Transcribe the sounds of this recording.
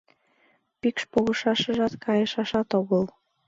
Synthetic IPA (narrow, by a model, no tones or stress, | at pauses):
pikʃpoɣɤ̆ʃɑʃɤ̆ʒɑt̪kʰɑjɤ̆ʃɑʃɑt̪oβɤ̆lˠ